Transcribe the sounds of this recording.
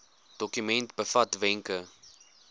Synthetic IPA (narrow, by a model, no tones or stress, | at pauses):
d̥ɔkymɛntbəfɐtvɛŋkə